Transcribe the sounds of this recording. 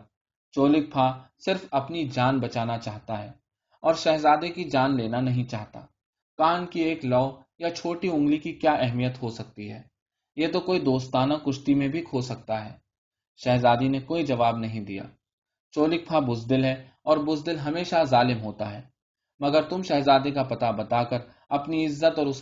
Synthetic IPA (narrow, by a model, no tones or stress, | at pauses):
t͡ʃoːlɪk̚pʰasɪɾfɐpnid͡ʒaːnbɐt͡ʃaːnat͡ʃaːɦt̪aɦɛː | ɔːɾʃɛɦzaːd̪ekid͡ʒaːnleːnanɐɦĩt͡ʃaːɦt̪a̰ː | kaːnkieːklɔː | jat͡ʃʰoːʈiʊ̃ŋɡlikikjaːʔɛɦmijət̪ɦosɐk̚t̪iɦɛː | jeːt̪okoːid̪oːst̪aːnakʊʃt̪imẽbʱikʰoːsɐk̚t̪aɦɛː | ʃɛɦzaːd̪inekoːid͡ʒɐʋaːbnɐɦĩd̪ija̰ː | t͡ʃoːlɪk̚pʰabʊzd̪ɪlɦɛ | ɔːɾbʊzd̪ɪlɦɐmeːʃazaːlɪmɦoːt̪aɦɛː | mɐɡəɾt̪ʊmʃɛɦzaːd̪ekapɐt̪abɐt̪aːkəɾ | ɐpniɪzːət̪ɔːɾʊs